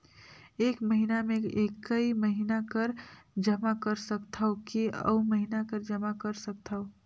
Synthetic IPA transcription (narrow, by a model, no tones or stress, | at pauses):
eːkməɦinamẽeːkːəiməɦinakəɾd͡ʒəmakəɾsəkt̪ʰaokiə̰uməɦinakəɾd͡ʒəmakəɾsək̚t̪ʰao